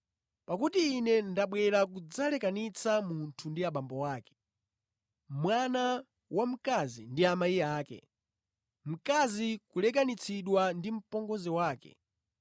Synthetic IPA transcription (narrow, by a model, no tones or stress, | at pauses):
pakutiːnɛndaɓwɛɾak̬ud͡zalɛkanit͡sʰamuntʰundiaɓambɔwaːkɛ̥ | mwana | wam̩kazḭndiamaiaːkɛ̰ | m̩kazikulɛk̬anit͡sʰiɗwandim̩pɔŋɡɔzɛwaːkɛ̰